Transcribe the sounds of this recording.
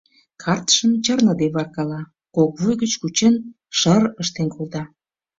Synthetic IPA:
kʰɑrt̪ə̥ʃəmt͡ɕərnəd̪eβɑrkɑlɑ | kok̚βujɣət͡ɕkut͡ɕen | ʃərəʃt̪enkʰold̪ɑ

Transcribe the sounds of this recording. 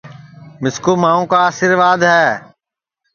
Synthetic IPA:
mɪskoːmaːõːkaːsɪɾʋaːd̪ɦɛː

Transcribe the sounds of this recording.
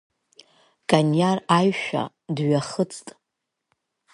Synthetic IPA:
kʼanjarajʃᶣa̰ | dɥaχət͡sʰʼtʼ

